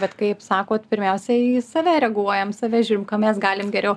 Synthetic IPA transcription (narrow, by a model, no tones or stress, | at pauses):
bʲɛt̪kɐɪpsɑːkoːt̪pʲɪɾʲmʲɛʊsʲɛsɐʋʲæɾʲɛɡuɔjɛmsɐʋʲæːʒʲuːɾʲɪmkɐmʲɛsɡɑːlʲɪmɡʲɛɾʲɛʊ